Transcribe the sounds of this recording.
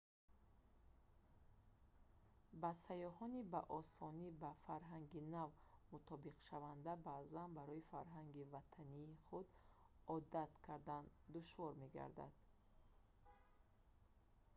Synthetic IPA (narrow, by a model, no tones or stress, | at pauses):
basajɔhɔnibaʔɔsɔnibafaɾɦaŋɡinavmut̪ʰɔbiqʃavand̪abazanbaɾɔifaɾɦaŋɡivat̪ʰaniːχud̪ɔd̪at̪kʰaɾd̪and̪uʃvɔɾme̞ɡa̰ɾd̪a̰d̪̥̚